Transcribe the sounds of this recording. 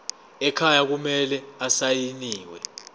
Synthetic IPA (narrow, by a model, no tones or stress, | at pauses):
ɛkʰajak̬umɛlɛasajiniːwɛ̰